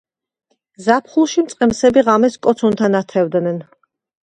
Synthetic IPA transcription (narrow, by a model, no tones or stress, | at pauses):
zapʰχulˠʃimt̪sʼqʼɛmsɛbiʁamɛskʼɔt̪sʰunt̪ʰanat̪ʰɛvd̪nɛn